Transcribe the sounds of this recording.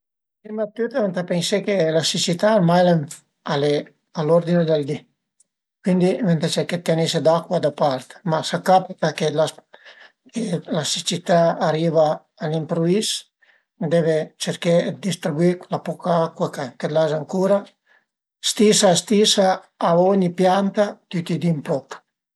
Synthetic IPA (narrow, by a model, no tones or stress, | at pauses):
pimat̪ːyt̪avent̪apensekelasit͡ʃit̪almajlaɱ | ale | alɔɾd̪ind̪eld̪i | kwind̪ivent̪at͡ʃɛket̪ːenised̪akwad̪apaɾt̪masakapit̪akela | kelasit͡ʃit̪aːɾiːvaː | limpɾuis | d̪ɛvet͡ʃeɾked̪ist̪ɾibuiklapɔkaakwakaked̪lazaŋkuɾa | st̪isast̪isa | aɔɲipjant̪at̪yt̪id̪implɔk